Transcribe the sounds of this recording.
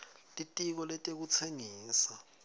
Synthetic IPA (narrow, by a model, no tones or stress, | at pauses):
tʼitʼik̬ɔlɛtʼek̬ut͡sʰeŋiːsa